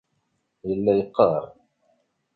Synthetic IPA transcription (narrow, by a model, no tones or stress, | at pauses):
jəlːæjəqːɑɾˤ